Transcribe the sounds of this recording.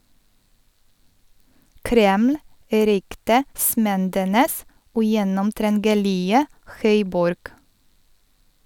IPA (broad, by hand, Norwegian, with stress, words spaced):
ˈkɾɛml̩ ˈɾʏktəˌsmɛndənəs ʉˈjɛnɔmtɾɛnɡəˌlɪə ˈxœʏˌbɔɾɡ